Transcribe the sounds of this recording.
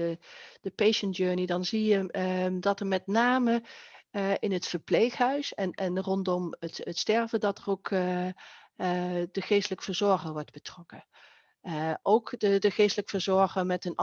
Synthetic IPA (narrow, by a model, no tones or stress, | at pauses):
əd̥əpejʃəntjøːɹnidɑnzijədɑtəɹmɛtnaːmə | ɪnətfəɹplejxɦœɥsɛnɛnrɔntdɔmətətstɛɹvədɑtərowk | dəχejstələkəfəɹzɔɹχəɹʋɔɹdbətrɔkə | ʔowkdədəχejstələkfəɹzɔɹχəɹmɛtən